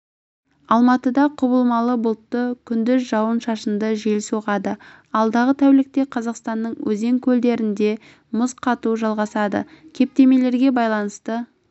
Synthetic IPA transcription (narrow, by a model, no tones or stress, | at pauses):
ɑlˠmɑt̪əd̪ɑqʰʊbəlˠmɑlˠəbʊlˠt̪ːəkʲʰʏnd̪ɪzʒɑwənʃɑʃənd̪əʒelsuʁɑd̪ə | ɑlˠd̪ɑʁət̪ʰæwlɪk̚t̪e̞qʰɑzɑqst̪ɑnːəɴwʔɵze̞ŋkʲʰɵld̪e̞ɾɪnd̪e̞ | mʊzqʰɑt̪uʒɑlˠʁɑsɑd̪ə̰kʲʰe̞p̚t̪e̞me̞le̞ɾɡʲe̞bɑjlˠɑnəst̪ə